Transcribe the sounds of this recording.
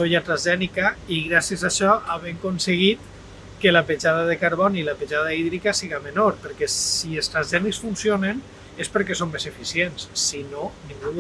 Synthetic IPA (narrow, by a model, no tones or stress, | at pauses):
oʎat̪ɾazʒɛnikaiɣɾasiezaʃɔaβeŋkonseɣ̞it̪ | kelapeʒaðaðekaɾβ̞ɔnilapeʒað̞aiðɾikasiɣamenoɾpəɾkɛsielˠst̪ɾazʒɛniksfunsionen | espəɾkɛsomːezefisiensːinonĩŋɡu